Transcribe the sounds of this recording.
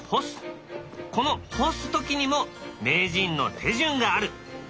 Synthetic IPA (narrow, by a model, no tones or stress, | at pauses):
hos | ko̞no̞hosɨ̥t̪o̞kʲiɲ̟imo̞me̞ːʑĩnːo̞̰t̪ʰe̞ʑɨ̃ŋɡaːɾɯ̟